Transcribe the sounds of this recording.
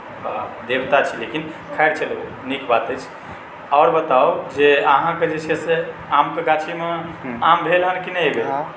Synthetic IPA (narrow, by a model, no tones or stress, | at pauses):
d̪ebt̪at͡ʃʰilekinkʰaɪɾt͡ʃʰəl | nikbat̪ət͡ʃʰ | ɔːɾbət̪awd͡ʒeəɦãked͡ʒet͡ʃʰeseamkeɡat͡ʃʰimeambʱelɦənkinɛbe